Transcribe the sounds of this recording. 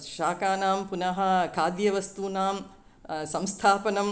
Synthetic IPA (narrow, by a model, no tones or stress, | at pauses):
ʃaːkaːnaːmpunɐɦɐ̆kʰaːd̪jɐʋɐst̪uːnaːm | sɐ̃mst̪ʰaːpɐnɐm